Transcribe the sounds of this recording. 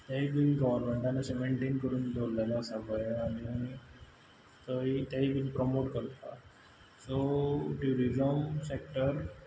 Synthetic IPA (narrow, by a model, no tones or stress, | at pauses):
t̪aɦibinɡɔʋəɾmeɳʈanasemeɳʈeːnkəɾuːnd̪ʱoɾlajlasabaeani | t̪əɦit̪jaɦibiːnpɾɔmoʈkəɾt̪a | soʈjuɾizəmsek̚ʈəɾ